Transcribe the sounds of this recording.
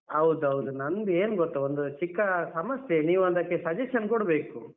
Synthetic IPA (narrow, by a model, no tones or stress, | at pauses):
ɐwd̪uɦɐwd̪unɐnd̪eːnuɡot̪ːuond̪ut͡ʃikːɐsɐmɐsjeniːʋuɐnd̪ɐkːesɐd͡ʒɐʃɐnkɔɽbe̞ːku